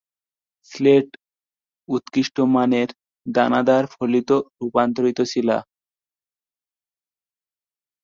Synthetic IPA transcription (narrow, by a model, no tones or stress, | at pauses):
sleʈ | ut̪kiʃʈomaneɾ | d̪anad̪aɾfʰolit̪oɾupant̪oɾit̪ot͡ɕʰila̰